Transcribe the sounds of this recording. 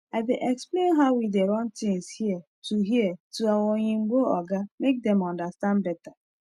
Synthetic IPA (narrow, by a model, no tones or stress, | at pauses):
aɪbeʔɛksplenɦawideɾɔ̃ntĩŋshie | tuɦietuawɔɲeŋ͡m̩ɡ͡boɔɡamek̚dɛmɔndastãnbɛta